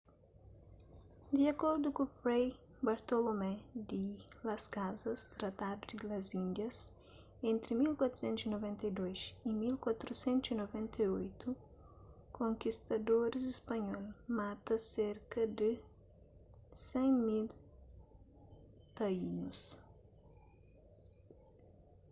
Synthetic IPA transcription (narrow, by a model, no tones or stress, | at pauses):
d̪iɐkɔɾd̪ukupɾej | baɾt̪olomɛd̪ilɐskazɐst̪ɾɐt̪ad̪ud̪ilɐzĩnd̪jɐs | ẽnt̪ɾimilkwat̪ɾsẽnt̪usinovɛ̃nt̪ɐjd̪ojzimilkwat̪ɾusɛ̃nt̪usinovɛ̃nt̪ʰɐiojt̪u | kʰõŋkist̪ɐd̪oɾzispɐɲɔlmat̪ɐseɾkɐd̪ɨ | sẽjmil | t̪ɐinus